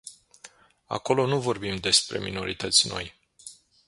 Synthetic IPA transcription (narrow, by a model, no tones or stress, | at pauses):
a̰ko̞lo̞nuvo̞rbimd̪e̞spɾe̞̰mino̞ɾit̪ət̪sʲno̞̰j